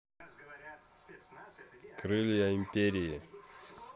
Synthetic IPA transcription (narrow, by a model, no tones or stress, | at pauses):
kɾɨlʲjaɪmʲpʲeɾʲɪjɪ